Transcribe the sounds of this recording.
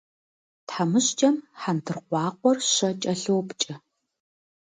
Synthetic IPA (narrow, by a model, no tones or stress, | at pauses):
tħamɨɕt͡ʃʼɐmħantʰɨrqʷɑːqʷɔrʃɐt͡ʃʼɐɬowpt͡ʃʼɪ